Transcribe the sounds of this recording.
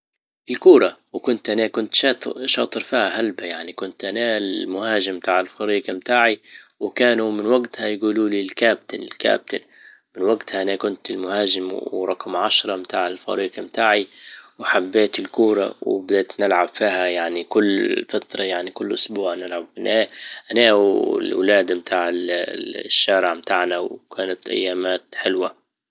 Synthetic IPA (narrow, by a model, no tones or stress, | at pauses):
ʔɪlkuːɾˤɑwkʊnt̪ʔanakʊnt̪ʃɑt̪ʃɑːt̪ˤɨɾˤfiːhaɦalbajaʕnikʊnt̪ʔanamʊhaːʒɪmbt̪aːʕɪlfɑɾiːɡamt̪aːʕiwɪkaːnumɪnwaɡt̪hajɡuːluːlilkaːb̚t̪ɪlɪ̰lka̰ːb̚t̪ɪl | mɪnwaɡt̪haʔanakʊnt̪ɪlmʊhaːʒɪmwɾˤɑqmʕaʃɾˤɑmt̪aːʕɪlfɑ̰ɾiːɡamt̪aːʕiwħabːeːt̪ɪlkuːɾˤɑwɪ̰bd̪eːt̪nɪlʕabfiːhajaʕnikʊlːfat̪ɾˤɑjaʕnikʊlːʔʊsbuːʕnɪlʕabfɪnʔaːʔnaːɪ̰lwlaːd̪amt̪ʰaːʕɪ | ʃːaːɾɪʕmt̪aːʕnawkʰaːnat̪ʔa̰jːaːmaːt̪ħɪlwa